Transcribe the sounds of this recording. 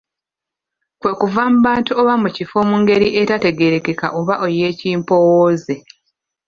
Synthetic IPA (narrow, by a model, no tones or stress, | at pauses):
kwe̞ːkuvamuβaːntuoβamucifo̞ːmuŋɡe̞ɾiʔe̞tate̞ɡe̞ɾe̞ke̞ka̰ʔoβaʔo̞je̞ːciːmpo̞woːze̞